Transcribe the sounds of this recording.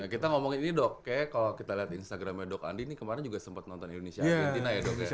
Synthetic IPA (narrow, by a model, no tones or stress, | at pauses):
nakit̪aŋomɔŋiinidɔkːajakalakit̪aliɦat̪inst̪aɡɾamjadɔka̰ndinikəmaɾɛnd͡ʒuɡasəmpat̪̚nɔnt̪ɔnindonesiaet̪inajadɔkkaj